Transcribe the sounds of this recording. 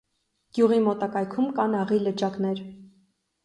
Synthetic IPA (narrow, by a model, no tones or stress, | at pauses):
ɡ̥juʁimɔt̪ɑkɑjkʰumkɑnɑʁilət͡ʃɑknɛɾ